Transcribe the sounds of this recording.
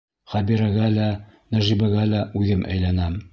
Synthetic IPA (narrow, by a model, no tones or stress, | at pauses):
χæbiɾæɣælænæʒibæɡælæʉðɘmʔæ̰jlænæm